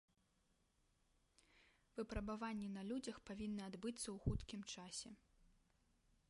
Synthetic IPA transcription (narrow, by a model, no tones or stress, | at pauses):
vɨpɾɐbavanʲːɛnɐlʲud͡zʲɐxpavʲinːɐad̪bɨt̪sːɐwxut̪kʲimt͡ʂasʲɛ